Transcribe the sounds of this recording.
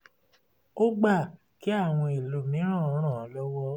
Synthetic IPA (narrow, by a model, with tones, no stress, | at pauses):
o˦ɡ͡ba˦˨ | ki˨˦a˦˨w̃ɔ̃˧i˨lo˨mĩ˨˦ɾ̃ã˦˨ɔ˧˦ɾ̃ã˦˨˦lɔ˦wɔ˦